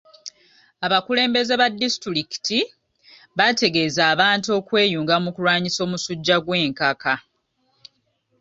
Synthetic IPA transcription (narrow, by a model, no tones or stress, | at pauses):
aβakule̞ːmbe̞ze̞βadːistuɾiki̥ti | βate̞ɡe̞ːzaːβaːntuo̞ːkwe̞ːjuːŋɡamukulwaːɲiso̞ːmusuɟːaɡwe̞ːŋkaka